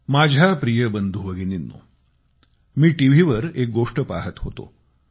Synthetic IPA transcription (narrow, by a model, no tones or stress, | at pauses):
mad͡ʑʱapɾijəbənd̪ʱuʋəɡininːṵ | miːʈiʋ̤ʱiʋəɾek̚ɡoʂʈəpaɦət̪ɦot̪o̰